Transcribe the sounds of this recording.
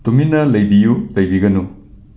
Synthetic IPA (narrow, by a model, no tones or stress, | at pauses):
tuminɐlɐjbijulɐjbiɡɐnu